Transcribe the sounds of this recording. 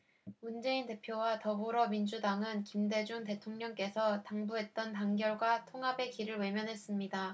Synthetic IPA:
mund͡ʑe̞inte̞pʰjowatʌbuɾʌmind͡ʑudaŋɯnkimde̞d͡ʑuŋte̞tʰoŋɲʌŋk͈e̞sʰʌtaŋbuɦe̞t̚t͈ʌntaŋɡjʌɭɡwatʰoŋɦabe̞kiɾɯɭwe̞mjʌnɦe̞s͈ɯmɲida

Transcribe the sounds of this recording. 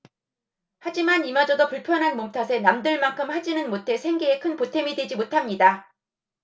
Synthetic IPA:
had͡ʑimanimad͡ʑʌdopuɭpʰjʌnɦanmomtʰasʰe̞namdɯɭmaŋkʰɯmhad͡ʑinɯnmotʰe̞sʰeŋɡeekʰɯnpotʰe̞midwe̞d͡ʑimotʰamɲida

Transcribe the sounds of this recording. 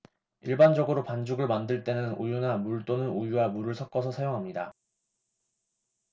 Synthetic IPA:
iɭband͡ʑʌɡɯɾopand͡ʑuɡɯɭmandɯɭt͈e̞nɯnujunamuɭt͈onɯnujuwamuɾɯɭsʰʌk͈ʌsʰʌsʰajoŋɦamɲida

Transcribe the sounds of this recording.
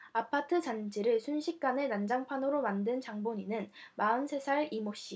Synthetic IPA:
apʰatʰɯt͡ɕand͡ʑʰiɾɯɭsʰunɕʰik̚k͈anenand͡ʑaŋpʰanoɾomandɯnt͡ɕaŋboɲinɯnmaɯnsʰe̞sʰaɭimoɕ͈i

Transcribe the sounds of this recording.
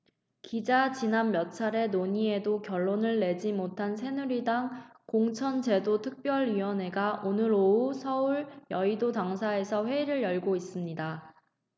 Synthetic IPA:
kid͡ʑat͡ɕinanmjʌt͡ɕʰaɾe̞noɲie̞dokjʌɭːonɯɭːe̞d͡ʑimotʰansʰe̞nuɾidaŋkoŋt͡ɕʰʌnd͡ʑe̞dotʰɯk̚p͈jʌɭɥiwʌne̞ɡaʔonɯɾousʰʌuɭjʌidodaŋsʰae̞sʰʌɸwe̞iɾɯɭjʌɭɡois͈ɯmɲida

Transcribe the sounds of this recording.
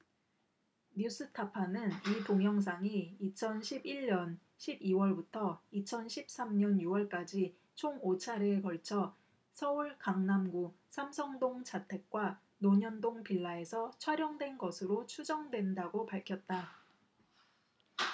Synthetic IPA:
ɲus͈ʰɯtʰapʰanɯnitoŋjʌŋs̬ʰaŋiːt͡ɕʰʌnɕʰibiɭːʌn | ɕʰibiwʌɭbutʰʌit͡ɕʰʌnɕʰip̚s͈amɲʌnjuwʌɭk͈ad͡ʑi | t͡ɕʰoŋot͡ɕʰaɾekʌɭt͡ɕʰʌ | sʰʌuɭkaŋnamɡu | sʰamsʰʌŋdoŋt͡ɕatʰe̞k̚k͈wa | noɲʌndoŋpiɭːae̞sʰʌt͡ɕʰʌɾjʌŋdwe̞nɡʌsʰɯɾot͡ɕʰud͡ʑʌŋdwe̞ndaɡopaɭkʰjʌt̚t͈a

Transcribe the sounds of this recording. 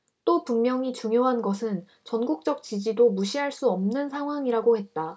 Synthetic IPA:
t͈opuŋmjʌŋit͡ɕuŋjoɦanɡʌsʰɯn | t͡ɕʌnɡuk̚t͡ɕ͈ʌk̚t͡ɕid͡ʑidomuɕʰiɦaɭs͈uʌmnɯnsʰaŋɦwaŋiɾaɡohe̞t̚t͈a

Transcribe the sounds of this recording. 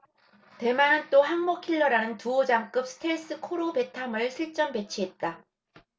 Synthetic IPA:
te̞manɯnt͈oɦaŋmokʰiɭːʌɾanɯntuod͡ʑaŋk͈ɯp̚s͈ʰɯ̥tʰeɭs͈ɯkʰoɾope̞tʰamɯɭɕʰiɭt͡ɕ͈ʌmpe̞t͡ɕʰiɦe̞t̚t͈a

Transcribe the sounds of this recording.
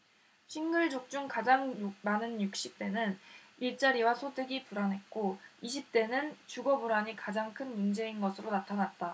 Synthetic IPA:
ɕʰinɡɯɭd͡ʑok̚t͡ɕ͈uŋkad͡ʑaŋmanɯnjuk̚ɕ͈ip̚t͈e̞nɯniɭt͡ɕ͈aɾiwasʰodeɡipuɾanɦe̞t̚k͈oiɕʰip̚t͈e̞nɯnt͡ɕuɡʌbuɾaɲikad͡ʑaŋkʰɯnmund͡ʑe̞inɡʌsʰɯɾonatʰanat̚t͈a

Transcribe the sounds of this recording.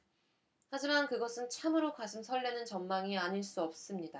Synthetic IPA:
had͡ʑimankɯɡʌsʰɯnt͡ɕʰamɯɾokad͡ʑʰimsʰʌɭːenɯnt͡ɕʌmːaŋiaɲiɭs͈uʌp̚s͈ɯmɲida

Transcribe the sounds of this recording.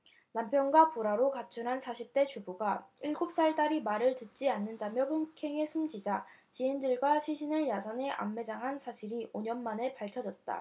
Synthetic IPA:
nampʰjʌnɡwapuɾaɾokat͡ɕʰunɦansʰaɕʰip̚t͈e̞t͡ɕubuɡaɯɭɡup̚s͈aɭt͈aɾimaɾɯɭtɯt̚t͡ɕ͈ianːɯndamjʌpʰoŋkʰe̞ŋe̞sʰumd͡ʑid͡ʑat͡ɕiendɯɭɡwaɕʰiɕʰinɯɭjasʰane̞ʔa̰mːe̞d͡ʑaŋɦansʰaɕʰiɾiʔoɲʌnmane̞paɭkʰjʌd͡ʑʌt̚t͈a̰

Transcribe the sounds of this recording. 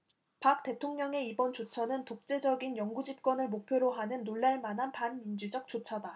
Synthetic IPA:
pak̚t͈e̞tʰoŋɲʌŋe̞ibʌnt͡ɕot͡ɕʰʌnɯntok̚t͡ɕ͈e̞d͡ʑʌɡinjʌŋɡud͡ʑip̚k͈wʌnɯɭmok̚pʰjoɾoɦanɯnːoɭːaɭmanɦanpanmind͡ʑud͡ʑʌk̚t͡ɕ͈ot͡ɕʰʌda

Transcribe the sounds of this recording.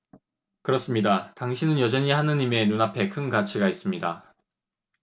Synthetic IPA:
kɯɾʌs͈ɯmɲidataŋɕʰinɯnjʌd͡ʑʌɲihanɯɲime̞nunapʰe̞kʰɯnɡat͡ɕʰiɡais͈ɯmɲida

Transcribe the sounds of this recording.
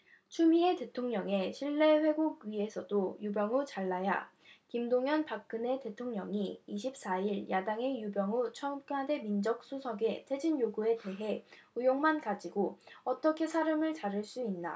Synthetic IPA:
t͡ɕʰumie̞te̞tʰoŋɲʌŋe̞ɕʰiɭːe̞ɸwe̞ɡoɡɥie̞sʰʌdojubjʌŋut͡ɕaɭːaja̰ | kimdoŋjʌnpak̚k͈ɯne̞te̞tʰoŋɲʌŋiiɕʰip̚s͈aiɭjʔadaŋe̞jubjʌŋut͡ɕʰʌk͈ade̞mind͡ʑʌk̚s͈usʰʌɡe̞tʰe̞d͡ʑinjoɡue̞te̞ɦe̞ujoŋmankad͡ʑiɡoʌt͈ʌkʰe̞sʰaɾɯmɯɭt͡ɕaɾɯɭs͈uinːa̰

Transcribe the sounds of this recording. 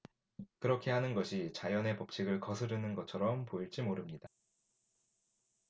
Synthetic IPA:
kɯɾʌkʰe̞ɦanɯnɡʌɕʰit͡ɕajʌne̞pʌp̚t͡ɕ͈ʰiɡɯɭkʌsʰɯɾɯnɯnɡʌt͡ɕʰʌɾʌmpoiɭt͡ɕ͈imoɾɯmɲida

